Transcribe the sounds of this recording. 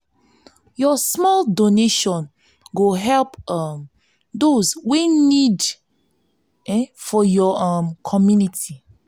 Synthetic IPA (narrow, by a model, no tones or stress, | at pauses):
jɔsmɔldoneʃɔ̃n | ɡoɦɛlpm | dozwenid | ɛfɔjɔmkʰɔmjuniti